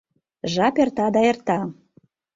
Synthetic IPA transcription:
ʒɑpert̪ɑd̪ɑert̪ɑ

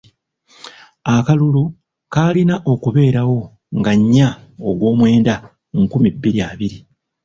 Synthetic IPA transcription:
akalulu | kaːlinaʔo̞kuβe̞ːɾawo̞ | ŋɡaɲːaoɡwo̞ːmwe̞ːnda | ŋkumibːiɾiaːβiɾi

